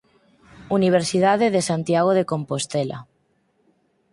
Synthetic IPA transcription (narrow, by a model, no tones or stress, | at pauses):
uniβ̞eɾsiðað̞eðesant̪jaɣ̞oð̞ekompost̪ela̰